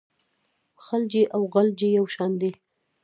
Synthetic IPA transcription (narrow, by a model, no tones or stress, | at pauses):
xald͡ʒeʔawɣald͡ʒejawʃɑnd̪e